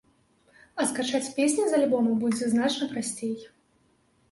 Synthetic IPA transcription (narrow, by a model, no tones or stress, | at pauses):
ɐskat͡ʂat͡sʲpʲesʲnʲizɐlʲbɔmɐbud͡zʲɛznat͡ʂnɐpɾasʲt͡sʲejɛ